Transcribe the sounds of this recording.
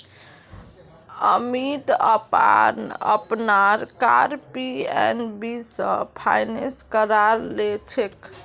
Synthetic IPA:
ə̰mit̪əpa̰nə̰pnaɾka̰ɾpiɛ̰nbisə̰̃pʰa̰jnẽskəɾaɾlet͡ʃʰek

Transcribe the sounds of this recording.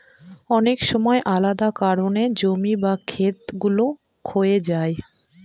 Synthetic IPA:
ɔnekʃɔmɔeʔalad̪akaɾoned͡ʑomibakʰet̪ɡulo | kʰoed͡ʑae

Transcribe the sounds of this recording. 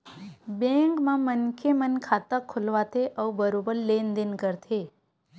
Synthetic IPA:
bẽːŋkmãmənkʰemənkʰaːt̪akʰʊlʋat̪ʰeʔɔbəɾobəɾleːnd̪ɪnkəɾt̪ʰeː

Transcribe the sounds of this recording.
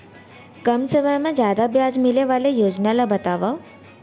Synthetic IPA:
kəmsəməjmẽd͡ʑjaːd̪abjad͡ʒmileʋalejoːd͡ʒnalabɐt̪aʋa

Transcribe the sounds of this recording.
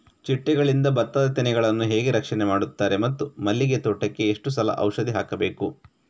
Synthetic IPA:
t͡ʃiʈːɛɡɐɭind̪ɐbɐt̪ːɐd̪ɐt̪inɛɡɐɭɐnːuɦeːɡeɾɐkʂɐnemaːɽut̪ːaːɾe̞mɐt̪ːumɐlːiɡe̞t̪oːʈɐkːe̞ːʂʈusɐlɐ̰ʔɐ̰wʂɐd̪iɦaːkɐbe̞ːku

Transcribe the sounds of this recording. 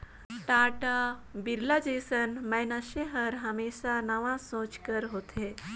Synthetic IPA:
ʈaʈabiɾlad͡ʑesənməjnaɕeɦəɾɦameɕanaʋãsõt͡ɕkəɾɦot̪ʰe

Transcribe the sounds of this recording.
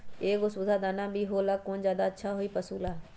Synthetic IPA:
eːɡʊsʊd̪aːd̪aːnãːbʱiːɦoːlaːkoːnd͡ʒjaːd̪aːətːʃʰaːɦoiːpəsuːlaː

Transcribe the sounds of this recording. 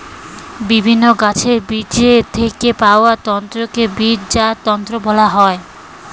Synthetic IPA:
bibʱinːoɡat͡ɕʰeɾbid͡ʑet̪ʰekepaoat̪ɔnt̪ɾokebid͡ʑd͡ʑat̪ɔnt̪ɾobɔlaɦɔe

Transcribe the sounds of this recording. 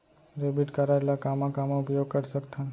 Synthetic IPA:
ɾebiʈkəɾaɾelakamãkamoʊpjoɡ̚kəɾsəkt̪ʰa

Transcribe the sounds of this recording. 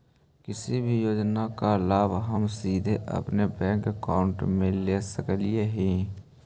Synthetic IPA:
kɪsibʱijoːd͡ʒnakalaːbɦəmsiːd̪ʱeʔə̰pnebɛ̃ːŋkəkaːʊ̃ɳʈmẽleːsəkəlieɦɛ̃ː

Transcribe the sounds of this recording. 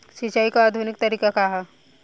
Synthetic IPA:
ʃit͡ʃaikaːd̪ʱunɪk̚t̪əɾiːkakaɦa

